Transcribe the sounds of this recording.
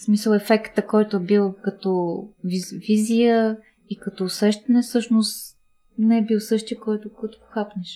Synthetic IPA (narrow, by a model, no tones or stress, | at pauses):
smisəlˠɛfɛkt̪əkɔjt̪oɛbilˠkɐt̪ɔvivizijə | ikɐt̪ɔːsɛʃt̪ɐnɛfsɤʃnost̪ | nɛɛbilˠsɤʃt̪iəkɔjt̪okɔjt̪o̥po̥xapnɛʃ